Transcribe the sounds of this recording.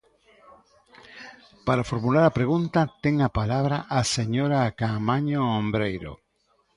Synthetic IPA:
paɾafo̞ɾmulaɾapɾeɣ̞unt̪at̪eŋapalaβɾaʔase̞ɲoɾakamaɲoːmbɾejɾo̰

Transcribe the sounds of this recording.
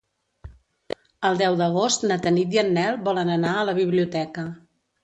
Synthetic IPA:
əlˠd̪ɛwd̪əɣost̪nət̪ənid̪iənːɛlˠbɔlənənaələβiβ̞liut̪ɛkə

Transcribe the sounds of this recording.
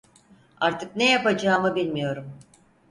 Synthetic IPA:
aɾt̪ʰɯknejapad͡ʒaːmɯbilʲmijo̞ɾum

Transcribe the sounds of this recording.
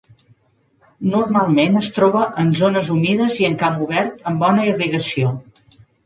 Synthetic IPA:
nurmalˠmenəst̪ɾɔβəʔənzonəzumiðəziəŋkamuβɛɾt̪əmbɔnəiriɣəsio

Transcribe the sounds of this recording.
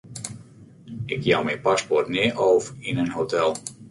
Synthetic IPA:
ɪkjawmɛjpaspɔrtnɪːʔɔwfɪnənɦowtɛlˠ

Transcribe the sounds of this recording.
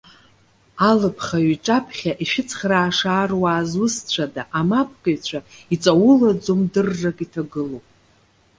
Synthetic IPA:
alɨpʰχaɥʈ͡ʂʼapʰχʲaʔiʃᶣɪt͡sʰχʲraːʂaːrwaːzwʊst͡ɕʷʰadaʔamapʰkʼaɥt͡ɕʷʰait͡sʼawʊlad͡zomdɨrːakʼitʰaɡɨlowpʼ

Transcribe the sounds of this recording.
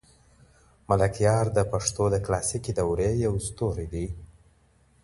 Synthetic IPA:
malakjɑɾd̪əpaʂt̪od̪əklasikid̪awɾejawst̪oɾid̪i

